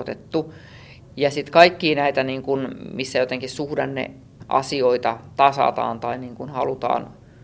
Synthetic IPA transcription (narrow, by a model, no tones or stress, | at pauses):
t̪et̪ːu | jɑsit̪kɑikːiːnæit̪æniːŋkunmisːæjot̪eŋkissuhdɑnːḛ | ʔɑ̰sioit̪ɑt̪ɑsɑ̰t̪ɑ̰ːnt̪ɑiniːŋkunhɑlut̪ɑ̰ːn